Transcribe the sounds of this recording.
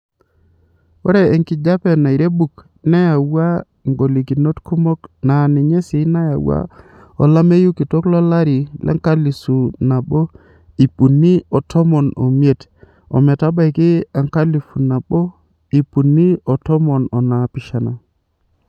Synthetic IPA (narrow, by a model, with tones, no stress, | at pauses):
o˦ɾeː˨ŋkɪ˨d͡ʒa˦pe˦˨na˨i˨ɾe˦bu˨k | na˦ja˨wa˦ | ŋɡo˨li˨ki˨no˦tku˦mɔ˦kna˨ni˨ɲe˦si˨˦na˦ja˨wa̰˦ | ɔ˨la˦me˦ju˦ki˨to˦klɔ˦la˦ɾi˨lʔa̰˦ŋka˦li˨su˨na˨bo˦ | i˨pu˨nːi˦ɔ˨tʰɔ˦mɔ˨no̰˨mje˦t | ɔ̰˨mɛ˨ta˦ba˦˨jki˦a˨ŋka˦li˨fu˨na˨bo˦ | i˨pu˨nːi˦ɔ˨tɔ˦mɔ˨nɔ˨na˨pɪ˨ʃa˨na˨